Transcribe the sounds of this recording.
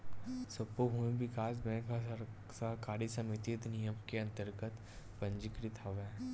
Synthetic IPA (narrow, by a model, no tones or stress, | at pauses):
səpːoɦuẽʋɪkaːs̬bɛ̃ːka | sɐɦkaːɾisɐmit̪it̪nijəmkeɐ̃nt̪əɾɡət̪ | pɐ̃ɲd͡ʒɪkɾit̪ʰɐʋɛ